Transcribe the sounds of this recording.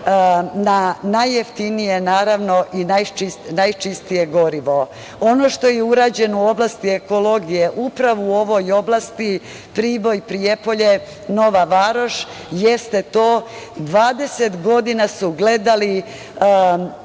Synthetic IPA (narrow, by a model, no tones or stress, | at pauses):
nanajːeft̪inije̞naːɾaʋno̞ʔinajt͡ʃisnajt͡ʃist̪ije̞ɡo̞ɾiʋo̞ | ono̞ːʃt̪o̞jeuɾaːd͡ʑe̞nouo̞blˠast̪ieko̞lo̞ɡijeʔupɾaʋuuo̞ʋojo̞blˠast̪i | pɾiːʋo̞jpɾijepo̞ʎe̞ | no̞ʋaʋaɾo̞ʃ | jest̪e̞t̪oːd̪ʋaːd̪e̞set̪ɡo̞d̪inasuɡle̞d̪ali